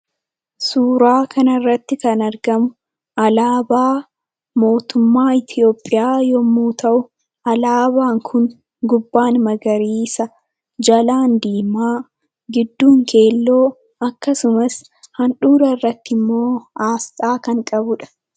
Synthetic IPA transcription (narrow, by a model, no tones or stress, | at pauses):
suːɾaːkʰɐnɐrːɐt̪ːɪkɐnɐɾɡɐmʊ | ɐlaːbaː | mo̞ːt̪ʊmːaːɪt̪ʰɪo̞ːpʼːɪjaːjɔmuːt̪ʰɐʔʊ | ɐlaːbaːŋkʰʊn | ɡʊbːaːnmɐɡɐɾiːsɐ | d͡ʒɐlaːnd̪iːmaː | ɡɪd̪ːuːŋkʰe̞ːlːo̞ː | ɐkːɐsʊmɐs | hɐnᶑuːɾɐrːɐt̪ːɪmːo̞ːaːst̪ʼaːkɐŋkʼɐbʊᶑɐ̥